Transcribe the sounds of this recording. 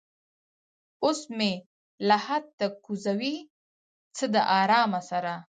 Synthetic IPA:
osme | lahad̪̚t̪akuzawi | t͡səd̪əʔɑɾɑmasaɾa

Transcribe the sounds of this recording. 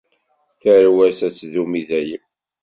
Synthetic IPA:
θæɾwæsæt͡sːðumiðæjəm

